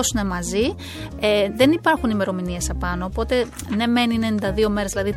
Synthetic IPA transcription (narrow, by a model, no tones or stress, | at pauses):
osune̞mɐzi | eðe̞nipɐɾxunime̞ɾo̞minie̞sɐpɐno̞ːpo̞t̪e̞ | ne̞me̞ninenind̪ɐðio̞me̞ɾzðilɐði